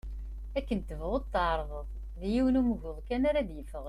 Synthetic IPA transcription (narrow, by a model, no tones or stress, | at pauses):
ækːənt̪ːəvʁoðˤt̪ːəʕɾˤðˤəðˤ | ðjiwənuməvʊðˤkænaɾad̪jəfəʁ